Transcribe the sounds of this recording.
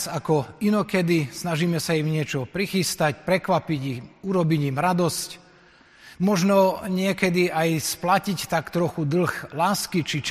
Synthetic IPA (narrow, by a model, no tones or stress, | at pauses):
sakɔinɔkɛd̪isnaʒiːmɛsaimɲɪɛt͡ʃɔpɾixist̪acpɾɛkʋapiɟiuɾɔbiɟimɾad̪ɔsc | mɔʒnɔɲɪɛkɛd̪iajsplacict̪akt̪ɾɔxud̪l̩xlaːskit͡ʃit͡ʃ